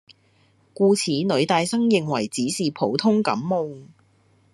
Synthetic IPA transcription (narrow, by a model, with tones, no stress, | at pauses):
kuː˧t͡sʰiː˨˥nɵ˨˧ɥt̪aː˨˧jsɐ˥ŋjɪ˨ŋwɐ˨˩jt͡siː˨˥siː˨pʰo˨˥wt̪ʰʊ˥ŋkɐ̰˨˥mːo˧w